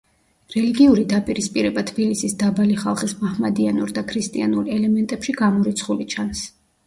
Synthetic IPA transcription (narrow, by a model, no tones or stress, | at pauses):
ɾɛliɡiuɾid̪apʼiɾispʼiɾɛbat̪ʰb̥ilisisd̪abaliχalˠχismahmad̪ianuɾd̪akʰɾist̪ʼianuɾɛlɛmɛnt̪ʼɛpʃiɡamɔɾit̪sʰχulit͡ʃʰans